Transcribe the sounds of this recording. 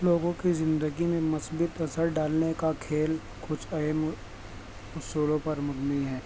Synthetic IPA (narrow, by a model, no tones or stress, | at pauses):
loːɡõkizɪ̃nd̪əɡimẽmʊsbɪt̪ɐsəɾɖaːlnekakʰeːl | kʊt͡ʃʰɐɦəm | ʊsuːlõpɐɾmʊɡniɦɛː